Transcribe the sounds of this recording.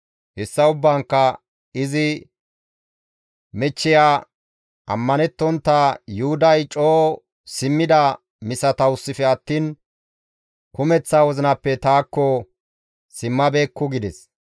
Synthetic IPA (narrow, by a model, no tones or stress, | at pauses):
hɛsːɐʊbːaŋkːɐ | ɪzɪ | mɛt͡ʃːɪjaː | ʔɐ̰mːɐnɛt̪ːɔnt̪ːajʊhʊd̪ɐjt͡ʃʼoː | sɪmːɪd̪ɐ | mɪsɐt̪ɐʊsːɪfɛɐt̪ːiːn | kʊmɛt͡sːaːwɔzɪnɐpːɛt̪aːkːɔ | sɪmːɐbe̞ːkːʊɡɪd̪ɛs